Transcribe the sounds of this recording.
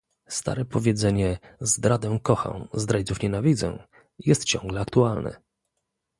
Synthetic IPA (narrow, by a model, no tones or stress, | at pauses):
st̪a̰ɾɛpɔvʲjɛd̪zɛɲɛzd̪ɾad̪ɛ̃kɔxã̰wzd̪ɾad͡ʑit̪ufɲɛnavʲid̪zɛ̰̃ | jɛst̪̚t͡ɕɔ̰̃ŋɡlɛakt̪ualnɛ̰